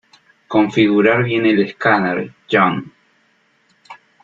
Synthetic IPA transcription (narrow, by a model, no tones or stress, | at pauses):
koɱfiɣuɾaɾβjeneleskanaɾd͡ʒoŋ